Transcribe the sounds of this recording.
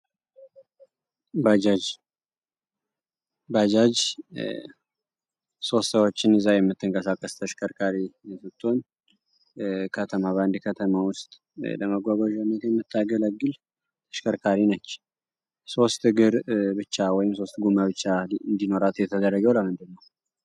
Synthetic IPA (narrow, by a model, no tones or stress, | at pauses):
bad͡ʒad͡ʒ | bad͡ʒad͡ʒ | so̞st̪səwot͡ʃːɪnɨzajɛmːɨt̪ːɨŋkʼəsakʼːəst̪ʰəʃkʰəɾkʰaɾijɛsɨt̪ʼːon | kʰət̪ʰəmaβand̪kʰət̪ʰəmawʊst̪ʼ | ləməɡʷaɡʷaʒawnːət̪jɛmːɨt̪ʰːaɡələɡːɨl | t̪ʰə̥ʃkʰəɾkʰaɾinət͡ʃː | so̞st̪ɡɨɾbɨt͡ʃːawɔjɪmso̞st̪ɡumaβɨt͡ʃːaɨnd̪ino̞ɾat̪jɛt̪ʰəd̪ərːəɡəwləmɨnd̪ɨnːəw